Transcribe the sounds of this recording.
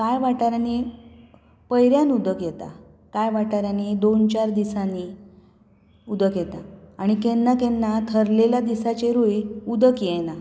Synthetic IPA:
kajʋaʈaɾjani | pəjɾjanud̪əkjɛt̪a̰ | kajʋaʈaɾjanid̪ont͡ɕaɾd̪isani | ud̪əkjɛt̪aaɽ̃ikenːakenːat̪ʰəɾleljad̪isat͡ɕeɾujud̪əkjɛna

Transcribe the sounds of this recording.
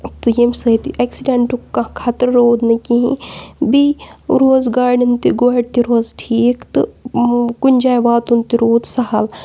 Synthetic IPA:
t̪ɨjemsɐt̪iʔɐksiɖeɳʈukkːakʰaːt̪əɾɾoːd̪nɐkiɦḭ̃biɾoːzɡaːɖint̪iɡoɖt̪iɾoːzʈʰiːkt̪ɨ | kunʲd͡ʒaːjʋaːt̪unt̪iɾoːd̪sɐɦɐl

